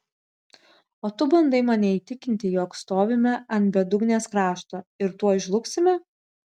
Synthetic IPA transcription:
oːt̪ʊbɐnd̪ɐɪmɑnʲɛiːt̪ʲɪkʲɪnʲt̪ʲɪjoːkst̪oːʋʲɪmʲɛɐnʲt̪bʲɛd̪ʊɡnʲeːskɾɑːʃt̪oːɪɾt̪uɔɪʒlˠʊksʲɪmʲɛ

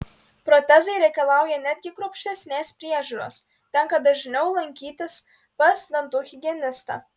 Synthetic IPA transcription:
pɾɔt̪ʲɛzɐɪɾʲɛɪkɐlˠɑˑʊjɛnʲæd̪ʲɡʲɪkɾʊpʲʃʲt̪ʲɛsʲnʲeːspʲɾʲiɛʒʲʊːɾo̰ːs | t̪ʲɛŋkɐd̪ɐʒʲɪnʲɛʊlˠɐŋʲkʲiːt̪ʲɪs | pɐsd̪ʲɐnt̪uɣʲɪɡʲiɛnʲɪst̪ɑ̰ː

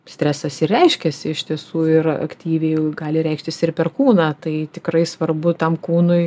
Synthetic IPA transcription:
sʲt̪ʲɾʲæːsɐsɪrʲɛɪʃʲkʲɛsʲɪɪʃʲt̪ʲiɛsuːɪrɐ̰kt̪ʲiːʋʲɛɪɡɑːlʲɪɾʲɛɪkʃʲt̪ʲɪsɪrpʲɛrkuːnɑːt̪ɐɪt̪ʲɪkrɐɪsʋɐrbʊt̪ɐmkuːnʊɪ

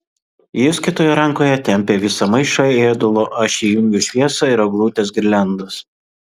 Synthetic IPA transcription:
jʊskʲɪt̪oːjɛɾɐŋˑkoːjɛt̪ʲɛmʲpʲeːʋʲɪsɐmɐɪʃɐeːd̪ʊlˠoʔɐʃʲiːjʊŋʲɡʲʊʃʲʋʲiɛsɐɪɾɐɡlˠuːt̪ʲes̬ɡɾʲlʲɛnd̪ɐs

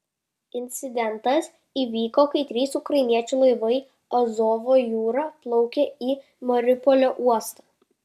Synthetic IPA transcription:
ɪnʲt̪sʲɪd̪ʲɛnˑt̪ɐs | iːʋʲiːkoːkɐɪt̪ʲɾʲiːsʊkɾɐɪnʲiɛt͡ʃʲuːˑlˠɐɪʋɐɪ | ɔzoːʋoːjuːɾɑːplˠɒʊkʲeiː | mɔɾʲɪpɔlʲoːʔuɔst̪ɑː

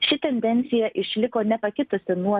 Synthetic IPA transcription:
ʃʲɪt̪ʲɛnʲd̪ʲɛnʲt̪sʲɪjɛʔɪʃʲlʲɪkoːnʲɛpɐkʲɪt̪ʊsʲɪnuɔ

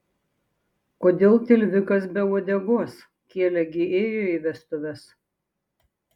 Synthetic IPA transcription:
koːd̪ʲeːlˠt̪ʲɪlʲʋʲɪkɐs̬bʲɛoːd̪ʲɛɡoːs | kʲeɛlʲɛɡʲɪeːjoːiʋʲɛst̪ʊʋʲɛs

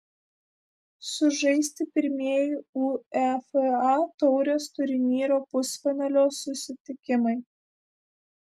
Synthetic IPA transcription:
sʊʒɐɪsʲt̪ʲɪpʲɪɾʲmʲiɛjɪuːɛfɛɑt̪ɔʊɾʲoːst̪ʊɾʲɪnʲiːɾoːpʊsʲfʲɛnɐlʲoːsʊsʲɪt̪ʲɪkʲɪmɐɪ

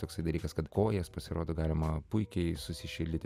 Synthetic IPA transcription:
t̪oːksɐɪd̪ɐlʲiːkɐskɐt̪koːjɛspɐsʲɪɾoːd̪oːɡɑːlʲɪmɐpʊɪkʲɛɪsʊsʲɪʃʲɪlʲd̪ʲɪt̪ʲ

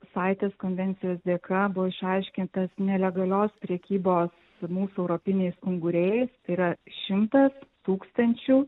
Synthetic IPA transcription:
sɑɪt̪ʲeːskoːnʲʋʲɛnʲt̪sʲɪjoːsd̪ʲeːkɐbʊʋoɪʃɐɪʃʲkʲɪnt̪ɐsnʲɛlʲɛɡɐlʲoːspʲɾʲɛkʲiːboːs | muːsuɛʊɾopʲɪnʲɛɪsʊŋɡʊɾʲɛɛɪst̪ɐɪiɾɐʃʲɪmt̪ɐst̪uːkst̪ɐnʲt͡ʃʲuː

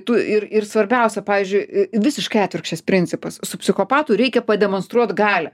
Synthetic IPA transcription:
t̪uɪɾɪɾsʋɐɾʲbʲɛʊsʲɛpɑːʋʲiːzʲd͡ʒʲʊɪʋʲɪsʲɪʃkɐɪæːt̪ʲʋʲɪrkʃʲt͡ʃʲɛspʲɾʲɪnʲt͡s̪ʲɪpɐssʊpʲsʲɪxoːpɑːt̪ʊɾʲɛɪkʲɛpɐd̪ʲɛmoːnst̪ɾuɔt̪ɡɑːlʲɛ

